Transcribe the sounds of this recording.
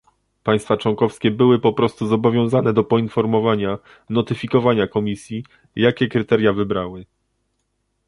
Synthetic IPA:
paj̃st̪fat͡ʂwɔŋkɔfskʲɛbɘwɘpɔpɾɔst̪uzɔbɔvʲjɔ̃w̃zanɛd̪ɔpɔinfɔɾmɔvaɲa | nɔt̪ɘfʲikɔvaɲakɔmʲisʲji | jakʲɛkɾɘt̪ɛɾʲjavɘbɾawɘ

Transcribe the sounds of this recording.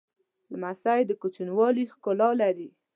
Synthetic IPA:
ləmasɾajd̪əkut͡ʃinwɑlixkolɑlaɾi

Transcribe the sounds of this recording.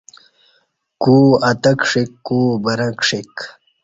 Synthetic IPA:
kuːɐt̪ɐkʂikːubɐɾɐkʂik

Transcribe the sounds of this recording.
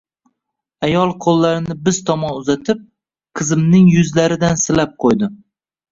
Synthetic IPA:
ajɒlˠqʰolˠːaɾɪnɪbɪz̥t̪ʰɒmɒnʊzat̪ʰɪp̚ | qʰɨzɪmnɪŋjʊzlaɾɪd̪ansɪlap̚qʰojd̪ɪ

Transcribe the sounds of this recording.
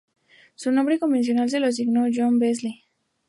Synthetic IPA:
sunobɾikombens̬jonals̬elos̬iɡnod͡ʒonbes̬li

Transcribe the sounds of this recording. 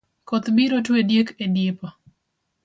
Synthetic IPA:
kɔt̪biɾotwedjekedɪpɔ

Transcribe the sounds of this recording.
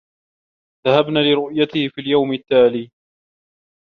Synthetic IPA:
ðahabnaːlɪɾʊʔjat̪ɪhɪfiːljawmɪt̪ːaːliː

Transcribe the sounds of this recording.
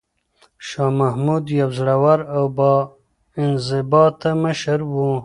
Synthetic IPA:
ʃɑːmahmud̪jawzɽawaɾawbɑ | ɪnzɪbɑːt̪aməʃəɾwu

